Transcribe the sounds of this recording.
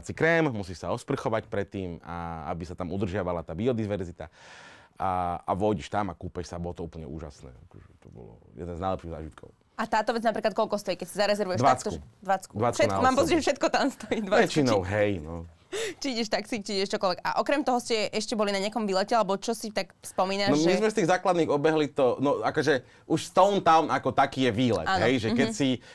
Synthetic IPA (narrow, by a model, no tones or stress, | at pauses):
asikɾɛːmmusiːʃsaɔspr̩xɔʋacpɾɛt̪ːiːmaa̰bisat̪amud̪r̩ʒɪaʋalat̪aːbiɔd̪iʋɛɾzit̪a̰ | aa̰ʋɔjɟɛʃt̪amakuːpɛʃsabɔlɔt̪ɔuːpl̩ɲɛ̰ṵːʒa̰snɛ̰ːakɔʒɛt̪ɔbɔ̰lɔ̰jɛ̰d̪ɛnznajlɛpʃiɣza̰ːʒit̪kʰɔʊ | at̪aːt̪ɔʋɛd͡znapɾiklat̪̚kɔlkɔst̪ɔikɛcsizaɾɛzɛɾʋujɛd̪ʋat͡sk̪uɛd̪ʋat͡skud̪ʋat͡skʃɛtnaɔmaːmpɔzicʒɛfʃɛt̪̚kɔt̪amst̪ɔjiːd̪ʋaɛt͡ʃiinɔʊɦɛjnɔ | t͡ʃiiɟɛʃt̪aksit͡ʃiiɟɛʃt͡ʃɔkɔlʋɛɡa̰ʔɔkɾɛmt̪ɔɦɔscɛʔɛʃcɛbɔlinaɲɪakɔmʋiːlɛcɛalɛbɔt͡ʃɔsit̪akfspɔmiːnanɔmizzmɛst̪iːɣzaːklad̪niːɣɔbɛɦlit̪ɔnɔakɔʒɛ | uʃst̪ɔʊnt̪aʊmnʔakɔt̪akiːjɛʋiːlɛ̰tʔaɦɛjʒɛkɛsi